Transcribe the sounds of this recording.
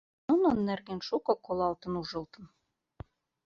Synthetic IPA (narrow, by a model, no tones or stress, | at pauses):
unŏnːærɣenʃukɤ̆kolɑlt̪ɤ̆nuʒɤ̆lt̪ɤ̆m